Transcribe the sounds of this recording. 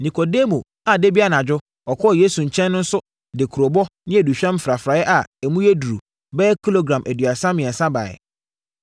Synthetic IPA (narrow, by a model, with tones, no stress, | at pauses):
nĩ˨kʰɔ˨de˦mõ˨ | a˨de˦bi˦a˦nã˨d͡ʑᶣʊ˦ | ɔ˨kʰɔ˦˨jeː˦su˨ɲ̩˨t͡ɕʰɛ̃˦nːʊ̃˦n̩˦sʊ˦ | dɪ˨kʰu˨ɾo˨bɔ˦nɪ̃˦æ˨du˨ɕᶣɛ̃˦m˦fɾa˨fɾaː˨˦jɛ˦ʔa˨ɛ˨mũ˦jɛ˦du˨ɾu˨ | bɛː˦kʰi˦lo˦ɡɾã˨mʔæ˨dɥa˨sã˦mɪ̃˨ɛ˨sa˦ba̰ː˨ɛ̰˨